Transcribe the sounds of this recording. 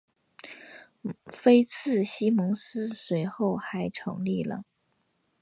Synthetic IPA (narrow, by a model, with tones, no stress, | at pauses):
fe˥ɪt͡sʰɹ̩˥˩ɕi˥mʊ˧˥ŋsɹ̩˥swe˧˥ɪxo˥˩ʊxa˧˥ɪʈ͡ʂʰɤ̰˧˥ŋli˥˩lə̰˩